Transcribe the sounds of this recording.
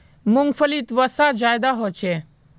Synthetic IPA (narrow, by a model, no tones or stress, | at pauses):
mʊŋfəlit̪ʋəsad͡ʒaːjd̪aɦoːt͡ʃʰe